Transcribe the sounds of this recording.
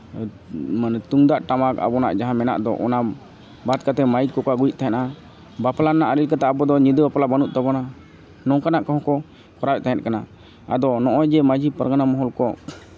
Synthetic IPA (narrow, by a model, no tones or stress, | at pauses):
mant̪uŋd̪aʔʈamaka̰bɔna̰ʔd͡ʒaɦãmɛna̰ʔd̪ɔ̰ʔɔna | bat̪̚kat̪ɛmait̪̚kɔkaɡujʔ̚ˀt̪aɦɛna | baplanaʔaɾilkat̪aʔabɔd̪ɔɲid̪əbapalabanuʔ̚t̪abɔna | nɔ̃kanaʔkaɦɔ̃kɔ | kɔɾabɛʔ̚t̪aɦɛt̪̚kana | a̰d̪ɔnɔʔɔjd͡ʒɛmad͡ʒʱipəɾɡanamɔɦɔlkɔ